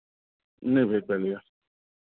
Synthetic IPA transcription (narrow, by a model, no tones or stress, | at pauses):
n̩ebek͡pelɪja